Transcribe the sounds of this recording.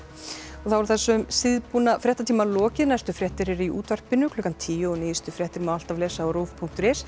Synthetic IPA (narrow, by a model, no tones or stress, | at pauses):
ɔɣθavɛɾθɛsːʏmsɪðpunafɾjɛht̪at̪ʰiːmalɔːcɪðnajst̪ʏfɾjɛht̪ɪɾɪɾiʔuːt̪var̥pɪnʏkʰlʏːkant̪ʰiːjʏɔniːjɪst̪ʏfɾjɛht̪ɪɾmaal̥t̪avlɛːsaːwɾoːvpʰuŋkt̪ɾɛs